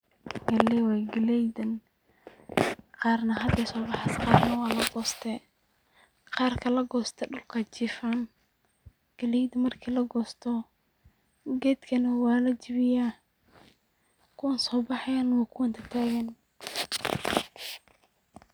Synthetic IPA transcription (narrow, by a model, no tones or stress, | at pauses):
ɡɐlɛwɑɡɪlɛjd̪ɐn | qɑːrnɐɦɐd̪ɛjsɔːbɑħɑsqɑːɾnɐwɑːlɐɡɔːst̪ʰɛ | qɑːrkʰɐlɐɡɔːst̪ʰɛɖʊlkʰɐt͡ʃɪfan | ɡ̥ɐlɛjd̪mɐrkʰiːlɐɡɔːst̪ʰɔ | ɡɛːd̪kʰɐnɐwɑːlɐt͡ʃɪβɪjaː | kʰʊwɐnsɔːbɑħɛjɐnwɑkʰʊwɐnt̪ʰɐt̪ʰaːɣɐn